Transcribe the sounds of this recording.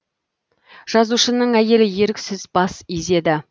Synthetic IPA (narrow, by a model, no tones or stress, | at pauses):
ʒ̥ɑzuʃənəɴæje̞lɪje̞ɾɪkʲsɪzbɑsize̞d̪ɪ